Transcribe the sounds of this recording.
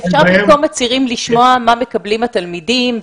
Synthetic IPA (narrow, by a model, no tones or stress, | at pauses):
efʃaʁbimkolmat͡siʁimliʃmoamame̞kɐblimat̪almidim